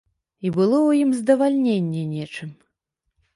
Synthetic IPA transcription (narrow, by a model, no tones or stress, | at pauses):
ibɨlˠɔwjimzd̪ɐvalʲnʲenʲːɛnʲɛt͡ʂɨm